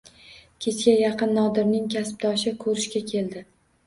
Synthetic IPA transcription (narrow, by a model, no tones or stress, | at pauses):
kʲʰe̞t͡ʃkʲajɑqɨnːɒd̪ɪɾnɪŋkʲʰasp̚d̪ɒʃɪkʰɵɾɪʃkʲakʲʰe̞ld̪ɪ